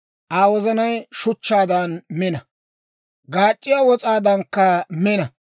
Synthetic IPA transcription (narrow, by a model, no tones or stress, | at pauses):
ʔaːwɔzɐnɐjʃʊt͡ʃːaːd̪ɐnmɛnɐ | ɡaːt͡ʃʼːɪjaːwɔt͡sʼaːd̪ɐŋkːɐmɛnɐ